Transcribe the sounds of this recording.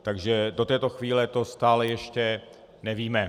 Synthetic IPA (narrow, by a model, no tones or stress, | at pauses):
t̪aɡʒɛdo̞t̪ɛːt̪o̞xviːlɛt̪o̞st̪aːlɛjɛʃcɛ | nɛviːmɛ